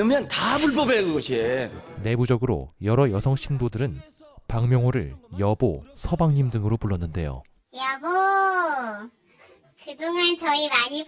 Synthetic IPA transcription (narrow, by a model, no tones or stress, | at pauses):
ɯmjʌntabuɭpʌbeɡɯɡʌɕʰiene̞bud͡ʑʌɡɯɾo̰jʌɾʌjʌsʰʌŋɕʰindodɯɾɯn | paŋmjʌŋɦoɾɯɭjʌbosʰʌbaŋɲimdɯŋɯɾopuɭːʌnːɯnde̞̰jo̰ | jamo | kɯduŋant͡ɕʌimaɲi